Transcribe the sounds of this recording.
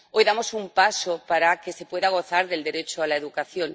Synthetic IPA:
ojðamo̞sumpasopaɾake̞se̞pwe̞ðaɣ̞o̞θaɾðe̞ld̪e̞ɾet͡ʃoalaeðukaθjo̞n

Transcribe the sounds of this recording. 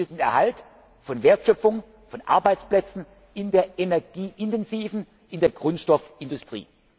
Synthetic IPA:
ətn̩ɛɐhalt | fɔnveːɐtʃœpp͡fʊŋ | fɔnʔa̰ɐbaɪt͡splɛt͡sn̩ | ɪndeːɐʔenɛɐɡ̥iːʔɪntɛnziːvn̩ | ʔɪndeːɐɡʁʊntʃtɔfɪndʊstʁ̥ḭː

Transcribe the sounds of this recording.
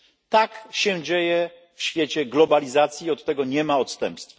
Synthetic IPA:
t̪akɕɛ̃d͡ʑejɛ | fɕfʲjet͡ɕɛɡlɔbalʲizat̪sʲjiɔt̪ːɛɡɔɲɛmaɔt̪st̪ɛ̰mpst̪f

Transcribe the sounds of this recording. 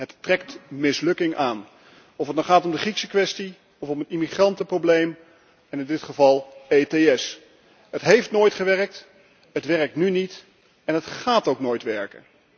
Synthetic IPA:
ɦəttrɛk̚tmɪslɵkɪŋʔaːn | ɔfətnɔχaːtɔmdəχriksəkʋɛsti | ɔfɔmətimiχrɑntəprowblejm | ɛnɪndɪtχəvɑlˠejteɛs | ɦətɦejftnoːjtχəʋɛrək̚t | ɦətʋɛrək̚tnynit | ɛnɦətχaːtowknoːjtʋɛɹkə̰n

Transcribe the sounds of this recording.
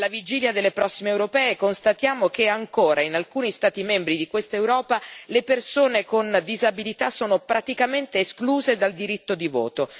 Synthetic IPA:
lavid͡ʒiːljad̪elːepɾɔsːimeːwɾopɛːekonst̪at̪jaːmokeaŋkoːɾʔainalkuːnist̪aːt̪imɛmbɾid̪ikwest̪aewɾɔːpalepersoːnekond̪izabilit̪asoːnopɾat̪ikament̪eːskluːzed̪ald̪iɾit̪ːod̪ivo̰ːt̪o

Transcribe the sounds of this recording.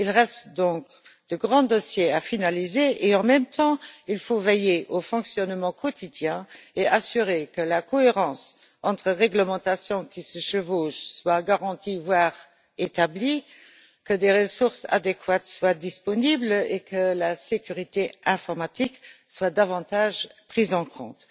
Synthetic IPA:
ilʁɛst̪d̪ɔ̃k | d̪̥əɡʁɑ̃d̪ɔsjeafinalizeʔeɑ̃mɛmt̪ʰɑ̃ilfovejeʔofɔ̃ksjɔnmɑ̃kʰɔt̪ʰid̪jɛ̃easyʁekəlakɔeʁɑ̃s | ɑ̃t̪χəʁɛɡləmɑ̃t̪asjɔ̃kisəʃəvoːʒswaɡaʁɑ̃t̪ivwaːʁ | et̪abli | kəd̪eʁəsuʁsa̰d̪ekʰwat̪swad̪ispɔniblekʰəlasekyʁit̪eɛ̃fɔʁmat̪ikswad̪avɑ̃t̪aʒpχizɑ̃kʰɔ̰̃t̪

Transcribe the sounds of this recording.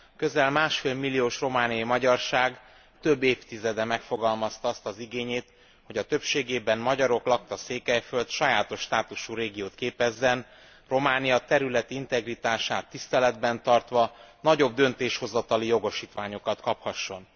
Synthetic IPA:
kø̞zɛlmaːʃfeːlmilːijoːʃro̞maːnijɒimɒɟɒrʃaːɡ | t̪ø̞bːeːft̪izɛd̪ɛmɛkfo̞ɡɒlmɒst̪ɒɒst̪ɒziɡeːɲeːt̪ | ho̞ɟɒt̪ø̞pʃeːɡeːbɛnmɒɟɒɾo̞klɒk̚t̪ɒseːkɛjfø̞lt̪ʃɒjaːt̪o̞ʃːt̪aːt̪uʃuɾeːɡijoːt̪keːpɛzːɛn | ro̞maːnijɒt̪ɛɾylɛt̪int̪ɛɡrit̪aːʃaːt̪ːist̪ɛlɛd̪bɛnt̪ɒrt̪ʋɒnɒɟo̞b̚d̪ø̞nt̪eːʃho̞zɒt̪ɒlijo̞ɡo̞ʃiːt̪ʋaːɲo̞kɒt̪kɒphɒʃːo̞n

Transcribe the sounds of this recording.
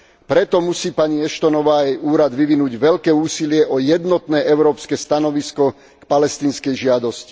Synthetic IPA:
pɾɛt̪ɔmusiːpaɲiɛʃt̪ɔnɔʋaːjɛjuːɾad̪ʋiʋinuːɟʋɛʎkɛːuːsilɪɛʔɔjɛd̪nɔt̪nɛːʔɛʊɾɔːpskɛst̪anɔʋiskɔ | kpalɛst̪iːnskɛjʒɪad̪ɔsci̥

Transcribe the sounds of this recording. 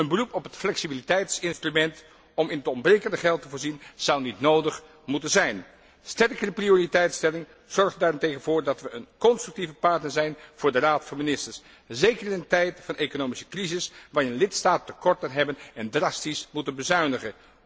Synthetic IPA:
ənbərupɔpɦətflɛksibilitɛjtsɪnstrymɛnt | ɔmɪnətɔmbrejkəndəχɛlˠtəvʊːɹzinz̥ʌwnitnowdəχ | mutənzɛjn | stɛrkərəprioritɛjtstɛlɪŋ | z̥ɔɹχdaːɹɪntejχənvʊːɹdɑtʋəənkɔnstryk̚tivəpɑɹtnəɹzɛjnv̥ʊːɹdəraːtfɑnminɪstəɹs | zejkərɪnəntɛjtfɑnekonowmisə̥krizɪsʋaːɹɪnlɪtstaːttːəkɔɹtənɦɛbənɛndrɑstismutənbəzœɥnəχən

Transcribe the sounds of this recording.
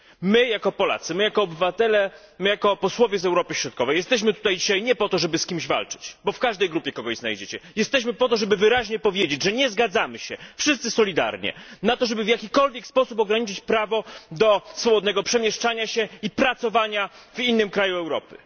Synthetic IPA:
mɘjakɔpɔla̰t̪sɨmɘjakɔːbɘvat̪ɛlɛ | mɘjakɔpɔswɔvʲjɛzɛwɾɔpɘɕɾɔt̪̚kɔvɛjɛst̪ɛɕ̬mɘt̪ut̪ajd͡ʑiɕajɲɛpɔt̪ɔʐɛbɘskʲimʑva̰lt͡ʂɘ̥t͡ɕbɔfkaʐd̪ɛjɡɾupʲjɛkɔɡɔʑzna̰jd͡ʑet͡ɕɛjɛst̪ɛɕ̬mɘpɔt̪ɔʐɛbɘvɘɾaʑɲɛpɔvʲjed͡ʑed͡ʑʐɛɲɛzɡad̪zamɘɕɛfʂɨst̪sɘsɔlʲid̪a̰ɾɲɛ̰nat̪ɔʐɛbɘvjakʲikɔlvʲjɛkspɔsup̬ɔɡɾaɲit͡ʂɘt͡ɕpɾavɔd̪ɔsfɔbɔd̪nɛɡɔpʂɛmʲjɛʂt͡ʂaɲaɕɛipɾat̪sɔvaɲavinːɘmkɾajuɛwɾɔ̰pɘ̥

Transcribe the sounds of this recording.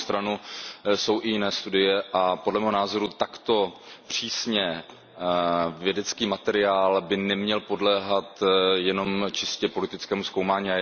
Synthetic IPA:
st̪ɾanuso̞wʔɪjɪnɛːst̪udɪjɛʔapodlɛmɛːɦonaːzo̞ɾut̪akt̪o̞pr̝̥iːsɲɛ | vjɛdɛt͡skiːmat̪ɛɾɪaːlbɪnɛmɲɛlpo̞dlɛːɦat̪jɛno̞mt͡ʃɪscɛpo̞lɪt̪ɪt͡skɛːmusko̞wmaːɲiːa

